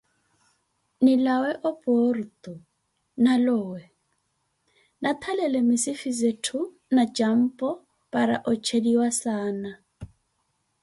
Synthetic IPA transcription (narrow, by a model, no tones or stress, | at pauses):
nilawɛʔɔpʼɔrt̪ʼu | nalɔːwɛ | nat̪ʰalɛlɛmisifizetʰu | nat͡ʃʼam̩pʼɔ | pʼaɾaʔɔt͡ʃʰediwasaːna